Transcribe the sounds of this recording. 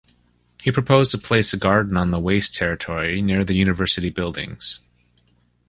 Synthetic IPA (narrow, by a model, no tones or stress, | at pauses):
hipʰɹ̥ɨpʰoʊztʰəpʰl̥eɪsɨɡɑɹdⁿn̩ə̃nðəweɪstʰɛɹɨtʰɔɹinɪɹðɨjʉnɨvɜ˞sɨɾibɪlˠdɪ̰̃ŋz̥